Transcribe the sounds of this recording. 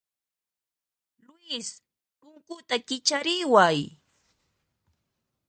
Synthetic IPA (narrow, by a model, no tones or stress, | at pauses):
lʊɪs | pʊŋkʊt̪akɪt͡ʃaɾɪwaj